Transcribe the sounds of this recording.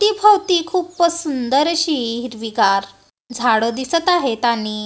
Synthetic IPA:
t̪iːbʱəwt̪iːkʰuːppəsund̪əɾəɕiɦɾʋiɡaɾ | d͡zʱaɽəd̪isət̪aɦet̪aniː

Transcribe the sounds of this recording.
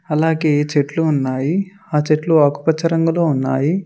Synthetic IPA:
ɐlaːɡe̞ːt͡ʃeʈluːnːaːji | aːt͡ʃeʈluaːku̥pɐt͡ʃʰːɐɾɐŋɡɐloːunːa̰ːji

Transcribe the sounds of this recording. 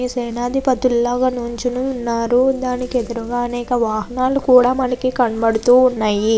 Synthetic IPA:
isɛːnaːd̪ʱipɐt̪ulːaːɡɐnuɲt͡ʃinunːaːɾud̪aːnikiɛd̪ɐɾuɡaːɐnɛːkɐʋaːɦɐnaːlukuːɽaːmɐnɐkikɐɳbɐɽut̪uːunːaːji

